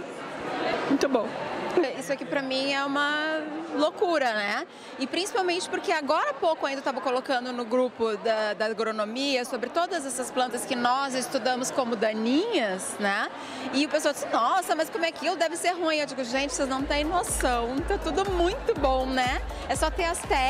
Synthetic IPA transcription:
mũj̃t̪ʊbõw̃isʊakipɾɐmĩɛũmɐlokuɾɐnɛ | ɪpɾĩsi̥pawmẽnt͡ʃɪ̥pʊɾkeaɡɔɾɐapowkʊɐ̃d̪ɐt̪avɐkolokɐ̃nd̪ʊnʊɡɾupʊd̪ɐd̪ɐɡɾonomiɐsobɾɪt̪od̪ɐzɛsɐsplɐ̃nt̪ɐskɪnɔzɪst̪ud̪ɐ̃mʊskõmʊd̪ɐ̃nĩɲɐsnɛ | ɪʊpes̬oawd͡ʒisnɔsɐmɐskõmʊɛakilʊd̪ɛvɪseɾɦũĩewd͡ʒiɡʊʒẽnt͡ʃɪ̥seznɐ̃w̃t̪ẽj̃nosɐ̃w̃t̪at̪ud̪ʊmũj̃t̪ʊbõw̃nɛ | ɛsɔt̪eɐst̪ɛ

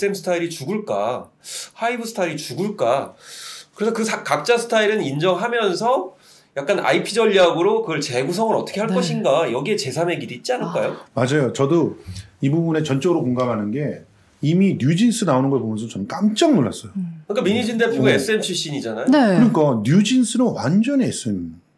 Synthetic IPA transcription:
s͈ɯe̞msʰɯ̥tʰaiɾit͡ɕuɡɯɭk͈a̰ | haibɯsʰɯ̥tʰaiɾit͡ɕuɡɯɭk͈a | kɯɾe̞sʰʌkɯsʰakak̚t͡ɕ͈asʰɯ̥tʰaiɾɯnind͡ʑʌŋɦamjʌns̬ʰʌ | jak͈̚anʔa̰ipʰid͡ʑʌʎːiaɡɯɾokɯɡʌɭt͡ɕe̞ɡusʰʌŋɯɾʌtʰʌkʰe̞ɦaɭ͈ʌɕʰinɡajʌɡie̞t͡ɕe̞sʰame̞ɡidoit̚t͡ɕ͈ianɯɭk͈ajomad͡ʑajot͡ɕʌdoibubune̞t͡ɕʌnt͡ɕ͈ʌɡɯɾokoŋɡamɦanɯnɡe̞ | iminjud͡ʑins͈ʰɯnaonɯnɡʌɭpomjʌnsʰot͡ɕʌmk͈amt͡ɕ͈aŋnoɭːa̰s͈ʌjokɯk͈amiɲid͡ʑinde̞pʰuɡes͈ʰɯempʰiɕ͈iɲid͡ʑanajoekɯɲik͈anjud͡ʑinsʰɯnonwand͡ʑʌnees͈ɯn

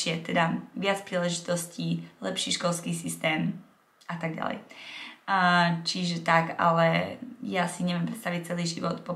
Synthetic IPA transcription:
ɪɛt̪ɛd̪aʋɪat͡spɾiːlɛʒit̪ɔsciːlɛpʃiːʃkɔlˠskiːsist̪ɛːm | ʔat̪aɡɟa̰lɛ̰j | t͡ʃiʒɛt̪aka̰lɛjasiɲɛʋjɛmpɾɛt̪st̪aʋic̚t͡sɛliːʒiʋɔt̪pɔ

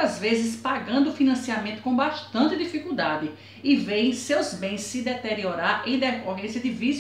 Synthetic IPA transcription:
azvezɪspaɡɐ̃nd̪ʊfinɐ̃siamẽnt̪ʊ̥kõbaʃt̪ɐ̃nt̪ɪd̪ifikuwd̪ad̪ɪ | ɪvẽj̃sewzbẽj̃sːɪd̪ɛt̪eɾioɾaɾẽj̃d̪ɛkoɦẽsjɐd̪ɪvis

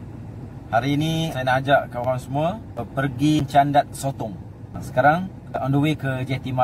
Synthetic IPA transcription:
haɾiːnisajənad͡ʒaʔkəoɾaŋsəmũə | əpərɡiɲt͡ʃandat̪̚sot̪ɔŋ | sə̥kaɾaŋ | ʔɔnduwekəd͡ʒɛt̪ima

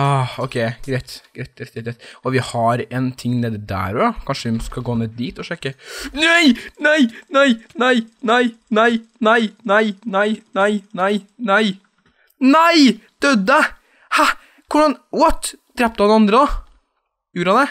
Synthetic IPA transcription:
ɑɔkʰɛɪɡɾɛɪt̪ɡ̥ɾɛt̪̚ɡɛt̪ɡɛt̪ɾɛt̪ɔʋɪhɑɾɛnt̪ʰɪŋːneːd̪d̪æ̰ːɾɔjɑkʰɑnʂəʋɪskɑɡoːneːd̪d̪iːt̪ɔʂɛkːənæɪnæɪnæɪnæɪnæɪnæɪnæɪnæɪnæɪnæɪnæɪnæɪ | næɪd̪̥œd̪ə | hɑ | kʰʊɖɑnwɔt̪ːd̪̥ɾɛp̚d̪hɑnd̪ɛɑnd̪ɾəd̪ɑ | jʉːɾɑd̪ɛ

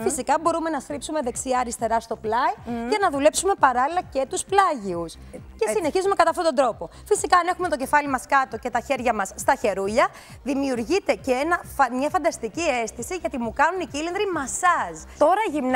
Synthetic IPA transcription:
fisikɐbo̞ɾume̞nɐst̪ɾipsume̞ðe̞ksiɐɾist̪e̞ɾɐst̪o̞plɐjcɐnɐðule̞psume̞pɐɾɐlilɐce̞t̪usplɐʝius | ce̞ssine̞çizume̞kɐt̪ɐft̪ot̪o̞nd̪ɾo̞po̞fisikɐːne̞xume̞t̪o̞ce̞fɐlimɐskɐt̪o̞ce̞t̪ɐçe̞ɾʝɐmɐsːt̪ɐçe̞ɾuʎɐ | ðimiuɾʝit̪e̞ceenɐfɐmɲɐfɐnd̪ɐst̪icie̞st̪isiʝɐt̪imukɐnunicilind̪ɾimɐsɐst̪o̞ɾɐʝimn

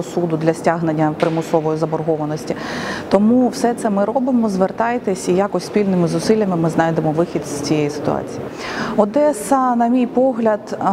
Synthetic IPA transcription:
ɔsud̪ʊd̪lʲɐsʲtʲaɦnenʲːɐpɾɪmʊsɔʋɔjizɐbɔrɦɔʋɐnɔsʲtʲit̪ɔmuwsɛt̪sɛmɪɾɔbɪmɔzʋert̪ɑjt̪esʲijakɔsʲsʲpʲilʲnɪmɪzʊsɪlʲjɐmɪmɪznɑjd̪emɔʋɪxʲid̪zʲt͡sʲijejisɪ̥t̪ʊ̰ɑ̰t͡sʲiji | ɔd̪ɛsɐnɐmʲijpɔɦlʲɐd̪

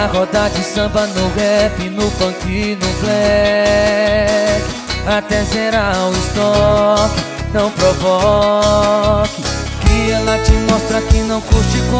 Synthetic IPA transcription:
aɦɔd̪ad͡ʒɪsɐ̃bɐnʊhɛpɪnʊpɐ̃kinʊklɛ | at̪ɛʒeɾawɪst̪ɔkɪ | nɐ̃w̃pɾovɔ | kɪkɪɛlat͡ʃimɔst̪ɾɐkɪnɐ̃w̃kuɾt͡ʃɪkõ

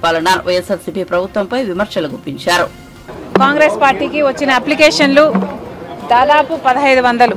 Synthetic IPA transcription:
paːlɐnaʋɐjesɐsipiːpɾɐbʱut̪ʋɐmpɐjʋimɐɾʃɐluɡupːiɲt͡ʃaːɾu | kaːŋɡɾeːspaːɾʈiːkiʋɐt͡ʃːinɐɐplikeːʂɐnlu | d̪aːd̪aːpupɐd̪ɐɦɐjd̪uʋɐnd̪ɐlu

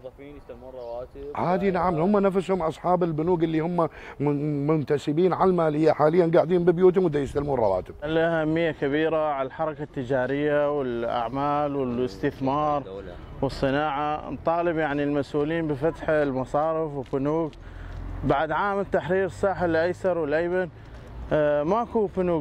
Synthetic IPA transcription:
whaːd̪inaʕamhʊmːanafshʊmʔɑsˤħɑːbɪlbʊnuːɡɪlːihʊmːa | mʊnt̪asɪbiːnʕalmaːlɪjːaħaːlɪjːanɡaːʕd̪iːhʊmbɪbjuːt̪̬hʊmwɪd̪ːajɪst̪almuːnrˤɑwa̰ːt̪ɪb̥̚laʔhamːɪjːakabiːɾaʕaalħɑɾˤɑkat̪ːɪd͡ʒaːɾɪjːawɪlʔa̰ʕmaːlwɪlɪst̪ɪθmɑːɾˤ | wɨsˤːɨnaːʕa̰nt̪ˤɑːlɪbjaʕnilmasʔuːliːnbɪfat̪ħalmɑsˤɑːɾɪfwɪbʊnuːɡ | baʕd̪ʕaːmt̪ːaħɾiːɾsˤɑːħalʔajsɑɾˤwɪlʔajban | maʔkubʊnuːɡ

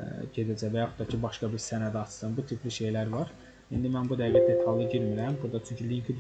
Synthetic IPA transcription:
ɟed̪æd͡ʒævæjɑxu̥t̪ːɑcʰibɑʃkɑbiɾsænæd̪ɑt͡ʃʰɯ̥sɯnbut̪ʰipʰliʃe̞jlæɾvɑɾ | ind̪imænbud̪ævæt̪̚d̪et̪ʰɑlˠɯɟiɾmiɾæmbuɾd̪ɑt͡ʃʰyɲcʰylijincʰi

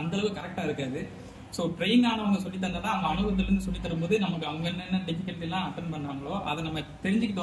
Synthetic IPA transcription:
ɐnd̪ɐɭɐʋɯkɐɾɛk̚ʈaːɪɾɯkːaðɯ | soːʈɾɐɪnɡaːnɐʋɐŋɡɐsɔlːɪt̪̬ːɐŋɡ̪ɐt̪ãːɐɐŋɡɐɐɳɯʋɐt̪ːɐlɪɾɯnd̪ɯsɔlːɪt̪ːɐɾɯmboːðɯnɐmɐkːɯɐʋɐŋɡɐɛnːɛnːɐɖɪfɪkːɐlʈːɪlːãːɐʈːɐnpɐɳːɖaːŋɡɐɭoːʔɐðɛnɐmːɐt̪ɛɾɪɲd͡ʒɪkːɯt̪o

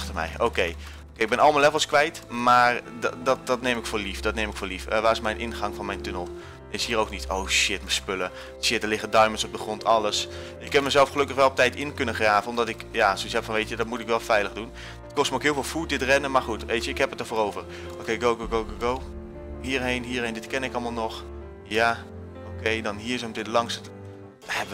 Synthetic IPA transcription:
təmɛ̰jo̰wkej | okeɪɡ̚bɛnɑlˠməlɛvəlˠskʋɛjtmaːrddɔt̚dɔtnejmɪkfʊːlifd̥ɔtnejmɪkfʊːlifəʋaːɪsmɛjnʔɪnχɑŋfɑnmɛjntønəlˠ | esɦiːɾowknitʰowʃɪtməspølə | ʃɪt̚dəlɪχədɑɥmənsɔb̚dəχrɔntʰɑlˠəs | ɪkhɛp̚məzɛlˠfχəlɵkəχʋɛlˠɔp̚tɛjtɪnkɵnəχraːvənɔmdɑtɪkjasosɛpfɑnʋejtədɔtmutɪkʋɛlˠfɛjləχdun | ɪt̚kɔstməokɦɪːlˠvɪːlˠfut̚dɪtrɛnəmaχutʋejtəɪkɦɛpətəɹfoːrowvər | okejɡowɡoɡowɡoɡow | ɦiːɹɦejnɦiːɹrɦejndɪtkɛnɪkɑlˠmalˠnɔχ | jaː | okejdɑnɦiːɹsəmdɪtlɑŋs | dɛə

